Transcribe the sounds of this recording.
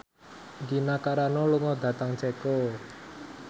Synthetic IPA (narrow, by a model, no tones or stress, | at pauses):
ɡinakaɾanɔluŋɔd̪ä̤t̪aŋt͡ʃɛkɔ